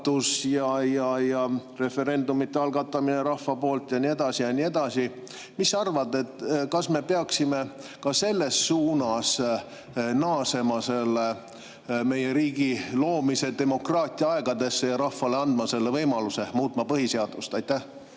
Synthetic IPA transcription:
d̪̥usjɑjɑjɑre̞fe̞ɾe̞nd̪umit̪ːˑeɑlɡ̥ɑt̪ːˑɑmineɾɑffɑpo̞ːlt̪jɑnie̞d̪̥ɑsijɑnʲie̞d̪̥ɑsi | misɑrvɑd̪e̞t̪ːˑkɑsme̞peɑksime̞ | kɑse̞lːe̞sːuːnɑs | nɑːse̞mɑse̞lːe | me̞je̞ɾiːɡ̥ilo̞ːmise̞d̪e̞mo̞krɑːt̪ʲˑiɑɑe̞ɡ̥ɑd̪e̞sːe̞jɑɾɑhfːɑle̞ɑnd̪̥mɑse̞lːe̞vɤjmɑluse̞muːt̪ˑmɑpɤɦise̞ɑd̪̥ust̪ɑjt̪ːæh

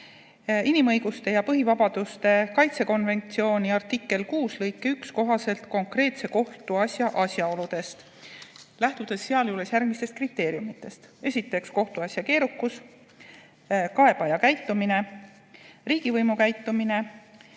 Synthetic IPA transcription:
inimɤ̞jɡ̥ust̪e̞jɑpɤɦivɑbɑd̪̥ust̪e̞kɑjt̪se̞ko̞nve̞nt̪sio̞ːniɑrt̪ːˑikːˑe̞lkuːslɤjkːeyksko̞ɦɑse̞lt̪ko̞ŋkre̞ːt̪se̞ko̞ht̪uɑsʲjɑʔɑsʲjɑo̞lud̪̥e̞st̪ | læht̪ud̪̥e̞sːeɑljuːle̞sjærɡ̥mist̪est̪̚krit̪ːˑe̞ːɾjumit̪ːˑe̞st̪e̞sʲit̪ːˑe̞ksko̞ht̪uɑsʲjɑke̞ːɾukːus | kɑe̞b̥ɑjɑkæjt̪ːˑumine̞ | riːɡ̥ivɤjmukæjt̪ːˑumine̞

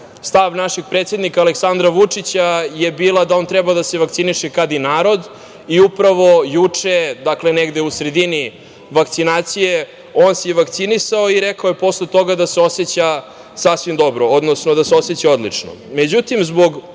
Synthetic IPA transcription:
st̪aʋnaʃeɡ̥̚pɾeːt̪sjed̪nikaːleksand̪ɾaʋut͡ʂit͡ɕajebiːlˠad̪ao̞nt̪ɾɛbad̪aseʋak̚t̪siniʃekad̪inaːɾo̞d̪ | iupɾaʋo̞jut͡ʂed̪akleneɡd̪e̞usɾe̞d̪ini | ʋakt̪sinaːt̪sije | oːnsejʋakt̪sinisaoiɾekaojepo̞sle̞t̪o̞ɡad̪aseo̞set͡ɕa | sasʋimd̪o̞bɾo̞od̪no̞snod̪aseo̞set͡ɕao̞d̪lḭt͡ʂno̰me̞d͡ʑut̪imzbo̞ɡ

